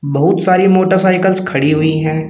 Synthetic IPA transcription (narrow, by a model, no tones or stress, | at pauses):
bɐɦʊt̪saːɾimoːʈəɾsaːɪkəlskʰɐɽiɦʊiɦɛ̃ː